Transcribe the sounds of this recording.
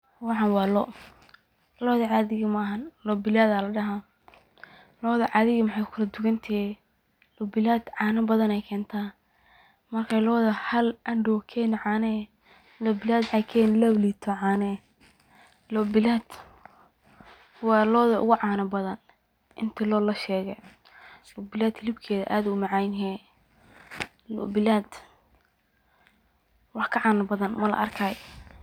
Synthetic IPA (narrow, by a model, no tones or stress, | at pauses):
wɑħɑnwɑːlɔʔ | lɔːðɐʕɑːðɪɣɪmɐɦɐnlɔbɪlaːðalɐɖɐɦa | lɔːðɐʕɑːðɪɣɐmɐħɑjkʰʊlɐd̪ʊɣɐnt̪ʰɛ | lɔbɪlaːd̪̥ʕɑːnɐbɐðɐnɛjkʰɛːnt̪ʰaː | mɐrkʰaːlɔːðɐhɐlʔɐɖɔːkʰɛnɪʕɑːnɛ | lɔbɪlaːd̪mħɑjkʰɛːnlɔwlit̪ʰɔʕɑːnɛ | lɔbɪlaːd̪̥ | wɑːlɔːðɐʔʊ̰ɣʊʕɑːnɐbɐðɐn | ʔɪnt̪ʰɪlɔːlɐʃɛːɣɛ | lɔbɪlaːd̪ʰlɪbkʰɛːðɐʔaːðʊʊmɑʕɑjnɦɛː | lɔ̰bɪlaːd̪ | wɑħkʰɐʕɑːnɐbɐðɐnmɐlɐ̰ʔɐ̰rkʰaːj